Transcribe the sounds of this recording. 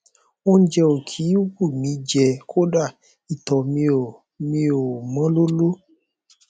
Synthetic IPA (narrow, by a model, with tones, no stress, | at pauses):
wo˦n̩˦d͡ʒɛ˧o˨kʰi˨˦wo˦bu˦˨mĩ˨˦d͡ʒɛ˧kʰo˦ɖa˦˨ | i˨t̪ɔ˨mi˧o˨ | mĩ˧o˨mã˦lo˦lo˦